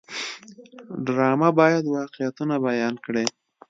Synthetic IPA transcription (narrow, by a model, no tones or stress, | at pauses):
ɖɾɑmabɑjad̪wɑqejat̪unabajɑnkɽe